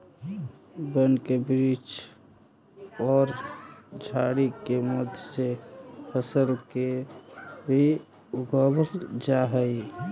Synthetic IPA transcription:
bənkebɾit͡ʃ | ɔːɾd͡ʒʱaɽikeməd̪ʱjsepʰəsəɾke | bʱi | uɡəbəɾd͡ʒaɦəi

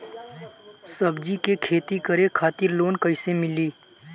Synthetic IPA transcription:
sɐbd͡ʒikekʰeːt̪ikəɾekʰaːt̪ɪɾloːnkəɪsemɪliː

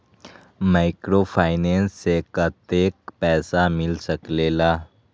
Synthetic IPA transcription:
maːɪkɾoːpʰaːɪnɛːnsːekɐt̪eːk̚pɛːsamɪlsəkleːlaː

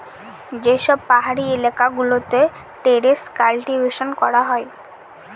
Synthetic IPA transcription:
d͡ʑeʃɔbpaɦaɽielakaɡulot̪e | ʈeɾeskalʈibeʃonkɔɾaɦɔe

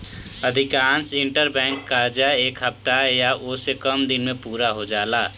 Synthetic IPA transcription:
əd̪ʱikaːnsiɳʈəɾbɛ̃ŋkːaɾd͡ʒaekɦəp̚t̪ajaʔosekəmd̪inmepuːɾaɦod͡ʒaːla

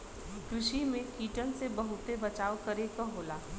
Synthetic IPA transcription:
kɾʊʃimẽkiːʈənsebɐɦʊt̪ebɐt͡ʃaːokɐɾekəɦoːlaː

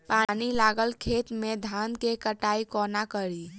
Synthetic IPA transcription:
panilaɡəlkʰet̪med̪ʱankekəʈaikɔnakəɾi

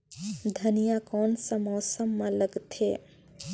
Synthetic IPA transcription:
d̪ʱɐnijakɔːnsamɔːsəmːãləɡt̪ʰeː

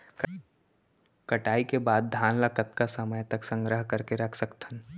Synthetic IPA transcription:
kɐʈaːikebaːd̪̚ːʱaːnlakət̪kasɐməjt̪ɐksə̃ŋɡɾəɦkɐɾkeɾɐkʰsɐkt̪ʰən

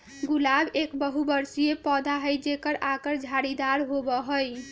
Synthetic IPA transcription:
ɡulabekbəɦubəɾsijepɔd̪ʱaɦəjd͡ʒekəɾakəɾd͡ʒʱaɾid̪aɾɦobɔɦəj

